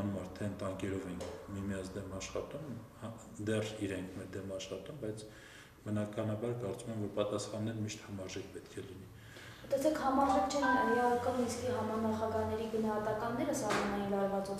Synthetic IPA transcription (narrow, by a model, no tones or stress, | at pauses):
numɑɾt̪ʰɛnt̪ɑŋkɛɾɔvɛiŋkʰmimijɑnt͡sʰd̪ɛmɑʃχɑt̪umh | d̪ɛriɾɛŋkʰmɛɾd̪ɛmɑʃχɑt̪umbɑjt͡sʰ | bənɑkɑnɑbɑɾkɑɾt͡sumɛmvɔɾpɑt̪ɑsχɑnːɛɾmiʃt̪hɑmɑɾʒɛk̚pɛt̪kʰɛlini | t̪ɛsɛkhɑmɑɾʒɛkʰt͡ʃʰɛinɛljiɑvɑkɑnminskiɦɑmɑnɑχɑɡɑɦnɛɾiɡənɑɦɑt̪ɑkɑnːɛɾəsɑhmɑnɑjinlɑɾvɑt͡su